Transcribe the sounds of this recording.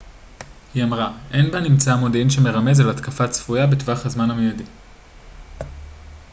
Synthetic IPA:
hiamʁaʔe̞nbanimt͡saamo̞dinʃeme̞ʁame̞zalatkafat͡sfujabetvaχhazmanhamejadi

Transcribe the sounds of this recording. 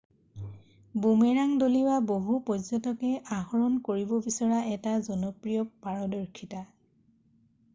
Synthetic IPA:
bumɛɹaŋdoliwaboɦupɔzɔtɔkɛʔahɔɹɔnkoɹibɔbisɔɹaʔɛtazɔnɔpɹijɔpːaɹɔdɔɹkʰita

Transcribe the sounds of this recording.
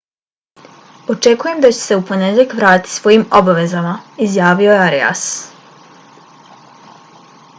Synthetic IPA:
o̞t͡ʃe̞kuje̞md̪at͡ɕe̥se̞uponed̪ʎekʋɾaːt̪i̥sʋo̞jimo̞baʋe̞zamaizjaːʋio̞jeaɾḛa̰s

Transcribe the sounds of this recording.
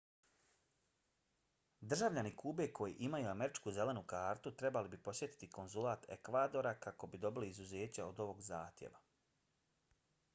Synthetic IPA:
d̪r̩ʒaʋʎanikʰuːbe̞kʰo̞jḭʔimajuame̞ɾit͡ʃkuze̞le̞nukaːɾt̪ut̪ɾe̞balibipo̞sje̞t̪i̥t̪iko̞nzulaːt̪ḛkʋaːd̪o̞ɾakako̞bid̪o̞biliːzuze̞ːt͡ɕaod̪o̞ʋo̞ɡza̰ːxt̪jḛʋa

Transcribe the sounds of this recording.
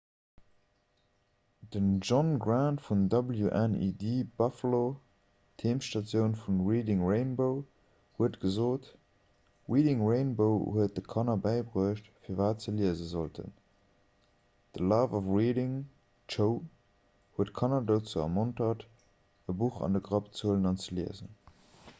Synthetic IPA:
d̥ənʒɔnɡɹantfundɑbəljuʔɛnḭdiːbɑfəlo | tʰeːmʃtɑt͡sjəʊnfunɹiːdɪŋɹeɪnboʊ | huətɡ̥əzoːt | ʁiːdɪŋɹeɪnboʊhuət̚d̥əkʰɑnɐbæɪbʁuəʃtfiːɐvaːtt͡səliəzəzoltʰə̰n | d̥əlɑːvɔfʁiːdɪŋ | t͡ʃəʊ | huətkʰɑnɐdoʊt͡suɐ̰mɔntɐt | əbuχɑ̰ndəɡʁɑpt͡suələnɑnt͡səliəzə̰n

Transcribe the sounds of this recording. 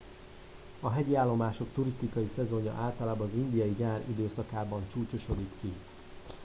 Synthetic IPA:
ɒɦɛɟiaːlːo̞maːʃo̞kt̪uɾist̪ikɒjisɛzo̞ɲɒ̰ʔaːlt̪ɒlaːbɒːzind̪ijɒjiɡaːɾid̪øːsɒkaːbɒnt͡ʃuːco̞ʃo̞d̪ikːi

